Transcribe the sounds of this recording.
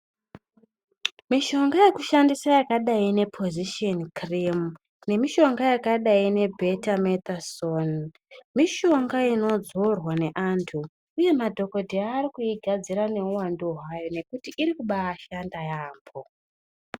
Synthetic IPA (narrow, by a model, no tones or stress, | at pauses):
miʃo̞ŋɡaje̞kuʃandisajakaɗaine̞pʰo̞ziʃionkrim | ne̞miʃo̞ŋɡajakaɗaine̞bʱe̞tamet̪ason | miʃo̞ŋɡaino̞d͡zo̞rwane̞ʔantʰuː | je̞madʱo̞ko̞dʱeaːrikuiɡʱad͡ziɾane̞uwanduɦwajo̞ne̞kutiʔːɾikuɓaːʃandajaːmbo̞